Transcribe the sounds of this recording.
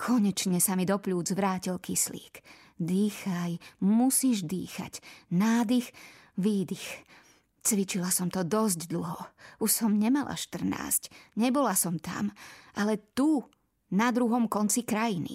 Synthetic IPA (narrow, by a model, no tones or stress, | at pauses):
kʰɔɲɛt͡ʃɲɛsamid̪ɔpʎuːd͡zʋɾaːcilkislḭːk | d̪iːxajmusiːʒd̪ḭːxa̰ɟnaːd̪ix | ʋiːd̪ix | t͡sʋit͡ʃilasɔmt̪ɔd̪ɔzɟd̪l̩ˠɦɔuʃsɔmɲɛmalʔa̰ʃt̪r̩na̰ːscɲɛbɔlasɔmt̪a̰mʔalɛt̪u | nad̪ɾuɦɔmkɔnt͡sikɾajinḭ